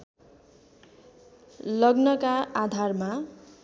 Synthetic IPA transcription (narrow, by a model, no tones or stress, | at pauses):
lʌɡnʌkaad̪ʱarma